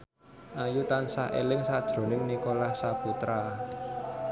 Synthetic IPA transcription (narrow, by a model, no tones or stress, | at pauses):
ʔajut̪ansaḛlɪŋsad̥ʒ̥ɾo̤nɪŋnikolahsaput̪ɾa